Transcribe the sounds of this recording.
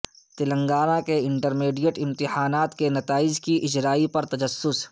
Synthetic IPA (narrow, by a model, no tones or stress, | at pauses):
t̪ɪlə̃ŋɡaːɾãkeɪ̃ɳʈəɾmeːɖijəʈɪ̃mt̪ɪhaːnaːt̪kenɐt̪aːɪd͡ʒkiʔɪd͡ʒɾaːipɐɾt̪ɐd͡ʒɐsːʊs